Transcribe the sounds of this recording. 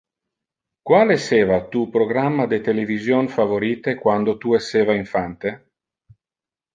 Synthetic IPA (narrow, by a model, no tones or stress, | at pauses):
kwaːleseːvat̪uːpɾoɡɾamːad̪et̪elevizjonfavoɾiːt̪ekwand̪ot̪uesːeːvaiɱfant̪e